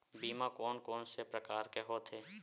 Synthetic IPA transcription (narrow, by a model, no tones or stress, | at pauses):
biːmakɔːnkɔːnsepɾəkaːɾkeɦoːt̪ʰeː